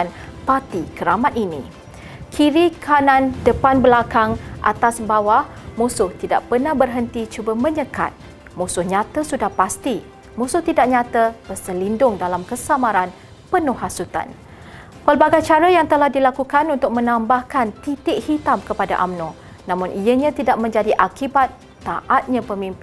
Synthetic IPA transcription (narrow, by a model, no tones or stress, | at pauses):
anpat̪ikəɾamat̪̚inḭ̃ | kʰiɾikʰanãndəpanbəlakaŋʔa̰t̪asbawahmusʊht̪ida̰ʔpənahbərɦənt̪it͡ʃubəmə̃ɲəka̰t̪̚ | mũsʊhɲãt̪asudahpast̪i | mũsʊht̪idak̚ɲãt̪ab̥ərsəlindʊŋdalamkəsamaɾan | pənʊhasut̪a̰n | pəlbaɡajt͡ʃaɾajaŋt̪əlahdilakukanunt̪ʊk̚mə̃nãmbahkant̪it̪ɪʔhit̪amkəpada̰ʔamnõ | nãmʊ̃nʔijəɲãt̪idaʔ̚mə̃ɲd͡ʒadiʔakibat̪ː | aʔat̪̚ɲãpəmĩmpɪn